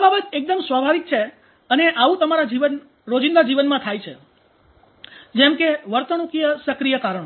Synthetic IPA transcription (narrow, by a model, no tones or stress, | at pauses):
babət̪ek̚d̪əmsʋabʱaʋik̚t͡ʃʰe | əneʔaʋũt̪əmaɾad͡ʒiʋən | ɾod͡ʒĩnd̪ad͡ʒiʋənmãt̪ʰajt͡ʃʰḛ | d͡ʒɛmkeʋəɾt̪ənukijəsəkɾijəkaɾəɳ